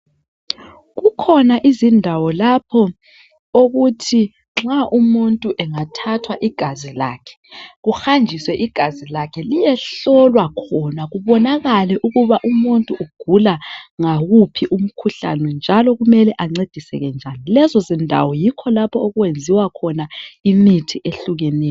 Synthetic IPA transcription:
ɣukʰɔnaʔizindʱawɔlapʰɔ | oɣutʰi | ŋ͡ǁaʔumuntʼuʔɛŋatʰatʰwaʔiɡ̥ʱazila̰ːkʰɛ̥ɣuxand͡ʒʱiswɛʔiɡ̥ʱazilakʰɛlijɛɬɔlwakʰɔnaɣuβɔnaɣalɛʔuɣuβaʔumuntʼuʔuɡ̥ʱulaŋaɣupʰiʔum̩kʰuɬa̰nɛnd͡ʒʱalɔɣumɛlɛʔaŋ͡ǀed̥ʱisɛ̰ɣɛnd͡ʒʱanilɛzɔzindʱa̰wɔjikʰɔlapʰɔoɣuwend͡zʱiwakʰɔnaimitʰiʔeɬuɣɛnɛːjɔɔ

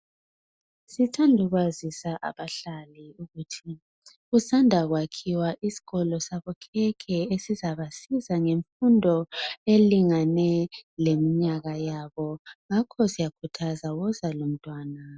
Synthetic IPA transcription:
sitʰandʱuɣwazisaʔa̰βaɬaliuɣutʰi | ɣusandʱaɣwakʰiwaʔisi̥ɣɔlɔsaβɔkʰɛkʰɛesizaβasizaŋeɱfundʱɔeliŋanɛlemiɲaɣajaβɔŋakʰɔsijakʰutʰazawɔzalom̩tʼwaːna

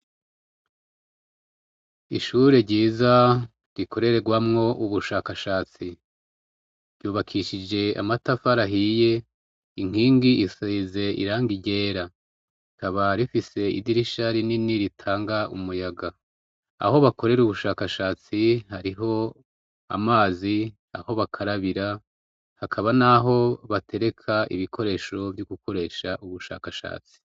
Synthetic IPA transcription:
iʃuɾe̞ɟiːza | ɾikʰo̞ɾe̞ɾe̞ɡwamŋo̞ʔuβuʃaːkaʃaːt͡si | ɾjuːβakʰiʃid͡ʒe̞a̰matafaɾaɦije̞ | iŋ̥iːŋɡiisize̞ʔḭɾaːŋɡiɟe̞ːɾa | ikaβaɾifise̞ḭdiɾiʃaɾininiɾitʰaːŋɡaumujaɡa | a̰ho̞βako̞ɾe̞ɾuβuʃaːkaʃaːt͡sihaɾiɦo̞ | a̰maːzi | a̰ho̞βakʰaɾaβiɾa | hakʰaβanaɦo̞βatʰe̞ɾe̞kʰaʔḭβikʰo̞ɾe̞ːʃo̞vjuɡuko̞ɾe̞ːʃaʔuβuʃa̰ːkaʃa̰ːt͡si̥

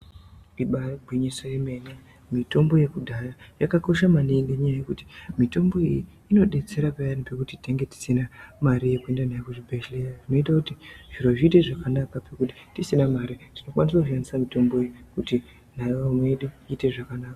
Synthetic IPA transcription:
iɓaɡʱwiɲisoeme̞ne | mito̞mbo̞je̞kudʱajajakako̞ʃamaniŋɡeɲajaje̞kuti̥mito̞mbo̞iji | ino̞ɗe̞t͡se̞ɾapejanipe̞kutiteŋɡe̞ti̥sinamaɾije̞kuendan̤aekuʐibʱeʃlejaʐino̞itakutiʐ̥iɾo̞ʐiːte̞ʐakanakapekuti̥tisinamaɾitino̞kwanisakuʐiandisamito̞mbo̞ijikuti | n̤aiameɗuite̞ʐakanaːka

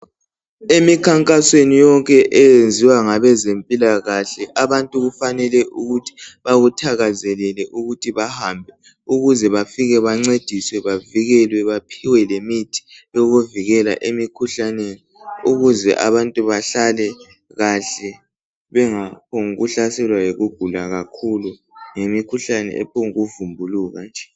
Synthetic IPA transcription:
emikʰaŋkʼaswenijɔŋkʼɛʔɛjend͡zʱiwaŋaβɛzempʼilaɣaɬɛʔaβantʼuɣufanɛlɛʔuɣutʰi̥βaɣutʰaɣazɛlɛlɛʔuɣutʰiβahambʱɛ | uɣuzɛβafiɣɛβaŋ͡ǀed̥ʱiswɛβaviɣɛlwɛβapʰiwɛlemitʰi̥jɔɣuviɣɛla̰ʔemikʰuɬaneniuɣuzɛ̰ʔa̰βantʼuβaɬalɛ | ɣaɬɛ | βɛŋapʰoŋuɣuɬasɛlwajoɣuɡ̥ʱulaɣakʰulu | ŋemikʰuɬanɛ̰ʔɛ̰pʰoŋuɣuvumbʱuluɣand͡ʒʱɛ

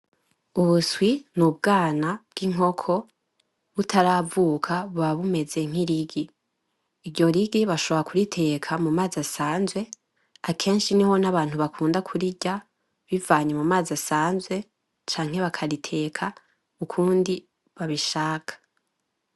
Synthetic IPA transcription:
uβuswinub̚ɡaːnab̥̚ɡ̥iŋo̞kʰo̞ | βutʰaɾavukʰaβaβume̞ze̞ŋ̥iɾiɡiː | ɾɟo̞ɾiɡiβaʃo̞βoɾakʰuɾitʰe̞kʰamumaːzasaːnzwe̞ | akʰe̞ːnʃiniho̞naβaːn̥huβakʰuːndakʰuɾiɟa | βivaːɲemumaːzasaːnzwe̞ | t͡ʃaːŋ̥he̞βakʰaɾitʰe̞kʰa | mukʰuːndi | βaβiʃaːkʰḁ

